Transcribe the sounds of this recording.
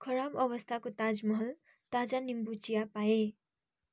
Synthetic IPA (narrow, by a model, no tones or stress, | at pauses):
kʰʌɾabʌbʌst̪ʰakot̪ad͡zmʌɦʌl | t̪ad͡zanimbut͡ʃijapae